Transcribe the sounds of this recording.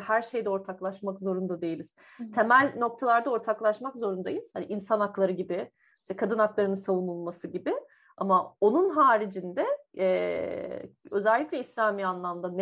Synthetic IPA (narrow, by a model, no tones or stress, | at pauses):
hæɾʃe̞jd̪ɛo̞ɾt̪ʰaklˠaʃmakzo̞ɾund̪ad̪e̞jilʲiz̥ | t̪ʰe̞mælʲno̞k̚t̪ʰalˠaɾd̪ao̞ɾt̪ʰaklˠaʃmakzo̞ɾund̪ajiz̥haniʔinsanaklˠaɾɯɟibɪ | ʃt̪ɛkʰad̪ɯnaklˠaɾɯnɯnsavumulˠmasɯɟibɪ | a̰mao̞nunɦaːɾid͡ʒind̪ɛɛ | ø̞zɛlʲːiclʲɛislʲaːmiːanlˠamd̪an